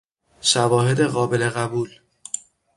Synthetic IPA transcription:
ʃævɒːhe̞d̪eɣɒːbe̞le̞ɣæbuːl

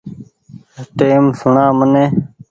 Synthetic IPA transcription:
ʈeːmsʊɳãːmənẽː

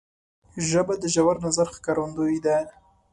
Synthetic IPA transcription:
ʒəbad̪əʒawaɾnazaɾxkaɾand̪oid̪a

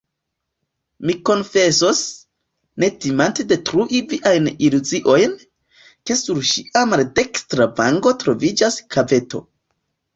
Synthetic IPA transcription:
miko̞nfe̞so̞s | ne̞timante̞de̞tɾuʔiviʔajniluziʔo̞jn | ke̞suɾʃiʔamalde̞kstɾavaŋɡo̞tɾo̞vid͡ʒaskʰave̞to̞̰

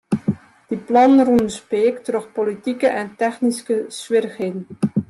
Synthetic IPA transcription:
d̥iplɑnrunəspeːktrɔxpolitikəʔɛntɛxniskəsʋɪrəxɦeːdən

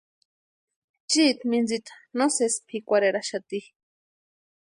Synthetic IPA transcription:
t͡ʃit̪mind͡zit̪ḁnosespʰikʷaɾeɾaʃat̪i

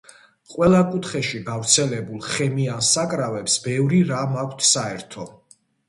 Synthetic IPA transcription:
qʼwɛlˠakʼut̪ʰχɛʃiɡavɾt̪sʰɛlɛbulˠχɛmiansakʼɾavɛpsbɛvɾiɾamakʷʰt̪ʰsaɛɾt̪ʰɔ

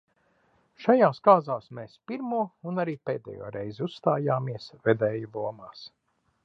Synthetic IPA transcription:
ʃajaːskaːzaːsmeːspiɾmuɔunaɾiːpeːd̪ɛ̰jṵɔɾɛjziusst̪aːjaːmiɛsvɛd̪ɛːjulˠuɔmaːs

